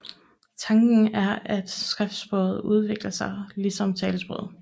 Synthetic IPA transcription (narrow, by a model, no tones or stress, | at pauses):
t͡sʰɑ̈ŋɡ̥n̩æɐæd̥sɡ̥ʁɛfd̥sb̥ʁɔ̽ːð̩ˠuð̞ˠʋe̝ɡ̥lɐsɑ̈ɪlisɒ̽mt͡sʰɛːləsb̥ʁɔ̰ð̩̰ˠ